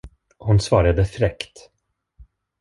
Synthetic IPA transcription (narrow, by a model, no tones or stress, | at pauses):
hʊnsvɑːɾad̪əfɾɛkt̪